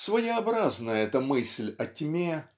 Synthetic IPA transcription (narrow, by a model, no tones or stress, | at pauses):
svəjɪɐbɾaznəjəɛt̪əmɨsʲlʲɐtʲmʲe